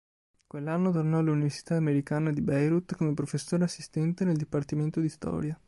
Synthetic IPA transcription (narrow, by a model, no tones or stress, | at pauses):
kwelːanːot̪ornɔluniversi̥t̪aːmeɾikaːnad̪ibɛjɾut̪ːkomepɾofesːoːɾeasːist̪ɛnt̪eneld̪ipart̪iment̪od̪ist̪ɔ̰ːɾja